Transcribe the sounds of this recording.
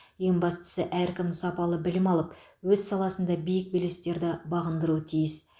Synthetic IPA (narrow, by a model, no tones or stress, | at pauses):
je̞ŋbɑst̪ə̥səʔæɾkʲɪmsɑpɑlˠəbɪlɪmɑlˠəp | wɵzsɑlˠɑsənd̪ɑbijɪk̚belest̪e̞ɾd̪ɪbɑʁənd̪əɾuət̪ʰijɪs